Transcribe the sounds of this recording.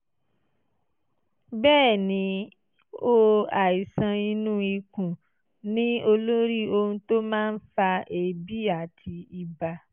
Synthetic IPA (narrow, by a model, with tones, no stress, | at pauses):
bɛː˦˨nĩ˧˦ | o˦a˨i˨sã˧i˧nũ˦i˧kũ˨ | nĩ˦o˧lo˦ɾi˦o˧hũ˧to˦mãː˦˧n̩˦fa˧ʔe˨bi˦a˨tʰi˧i˧ba˧